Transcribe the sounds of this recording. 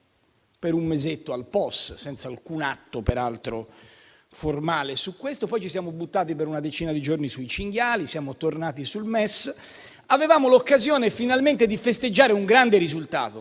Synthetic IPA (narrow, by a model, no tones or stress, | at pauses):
peɾummezet̪ːoalpɔssɛnt̪salkunat̪ːopeɾalt̪ɾo̰ | formaːlesukːwest̪opɔjt͡ʃisjaːmobut̪ːaːt̪ipeɾunad̪et͡ʃiːnad̪id͡ʒornisuit͡ʃiŋɡjaːlisjaːmot̪ornaːt̪isulmɛs | avevaːmolokːazjɔːnefinalment̪ed̪ifest̪ed͡ʒːaːɾeuŋɡɾand̪eɾizult̪a̰ːt̪o